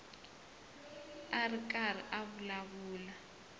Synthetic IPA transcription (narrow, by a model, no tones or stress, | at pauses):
arikʼar̤iʔaβulaβuːla